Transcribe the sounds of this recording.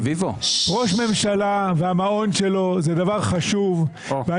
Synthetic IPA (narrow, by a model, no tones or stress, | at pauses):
vivoʁo̞ʃme̞mʃalaveamao̞nʃe̞lo̞zed̪avaʁχaʃuv | vea